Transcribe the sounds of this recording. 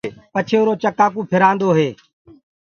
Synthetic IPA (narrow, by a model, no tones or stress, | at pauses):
pət͡ʃʰeːʊɾoːt͡ʃəkaːkũːpʰɪɾãːnd̪oːɦeː